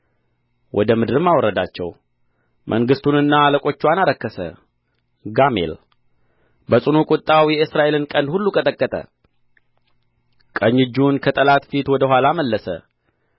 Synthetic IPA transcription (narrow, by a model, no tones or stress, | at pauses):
wʔɔd̪əmɨd̪ɨɾɨmːawɔɾəd̪at͡ʃːɛ̰w | mʔəŋɡɨst̪unɨnːaːləkʼo̞t͡ʃːwanaɾəkːəsə̰ | ɡamḛl | bəsʼunukʼʊt̪ʼːawijɛɨsɾaʔe̞lɨnkʼənd̪hulːukʼət̪ʼəkʼːət̪ʼə̰ | kʼəɲːɨd͡ʒːunkʰət̪ʼəlat̪fit̪wɔd̪əɦʷalaməlːəsə̰